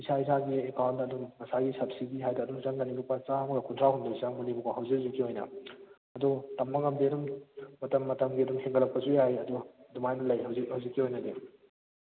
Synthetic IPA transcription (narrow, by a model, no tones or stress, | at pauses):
isais̬aɡiekawntɐdumːɐsaɡisɐpsiɡiɦajdaːdumzaŋɡaninupɐt͡ʃamuɐkʰuntʰɾahundaisaŋmunipuɐɦɐwzik̚zukːiojnɐ̰ | ɐdutɐmːɐɡɐmdiɐdummɐtɐmːɐtɐmɡiɐdumheŋɡɐlɐk̚pɐzujajɐdudumajnɐlɐjɦɐwzhɐwzikːiojnɐde